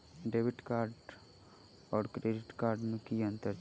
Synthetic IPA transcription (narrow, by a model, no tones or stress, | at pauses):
ɖeːʋɪʈkaːɾɖ | ɔːɾkɾeːɖɪʈkaːɾɖmẽkiɐ̃nt̪əɾ